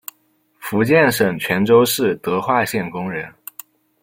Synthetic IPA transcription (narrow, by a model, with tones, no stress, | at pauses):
fu˧˥t͡ɕjɛ˥˩nʂɤ˨˩ŋt͡ɕʰɥɛ˧˥nʈ͡ʂo˥ʊʂɻ̩˥˩t̪ɤ˧˥xwa˥˧ɕjɛ˥˩nkʊ˥ŋɻə˧˥n